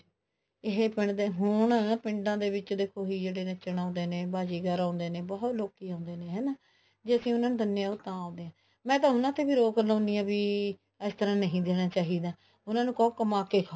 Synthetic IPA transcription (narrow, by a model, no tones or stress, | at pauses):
ɪɦeːpɪɳd̪eːɦʊɳpɪ̃ɳɖãːd̪eːʋɪt͡ʃd̪eːkʰoːɦiːd͡ʒeːɽeːneːt͡ʃəɽãːnd̪eːnẽːbaːd͡ʒiːɡaːɾãːnd̪eːnẽːbɔːt̪loːkiːãːʊnd̪eːneːɦɛːnaː | d͡ʒeːəsĩːʊnãːnũːd̪ənjãːʊt̪ːãːãːnd̪eːãː | mɛ̃ːt̪̬ãːɦʊnãːt̪ʰeːbiːɾoːklãːnd̪ijãːbiː | əst̪ʰəɾãːnəɦĩːd̪eːnaːt͡ʃaːɦiːd̪aː | ʊnãːnũːkəokəmaːkeːkʰa